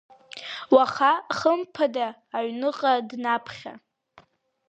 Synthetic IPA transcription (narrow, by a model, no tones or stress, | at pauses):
waχaχəmpʰadaː | ɥnɨqʼadnapʰχʲa̰